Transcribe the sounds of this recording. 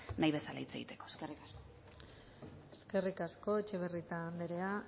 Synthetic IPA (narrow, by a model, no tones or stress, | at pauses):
najβe̞sala̰it͡se̞ɣit̪e̞̥ko̞eskerikasko | eske̞rikasko̞et͡ʃe̞β̞erit̪and̪eɾe̞a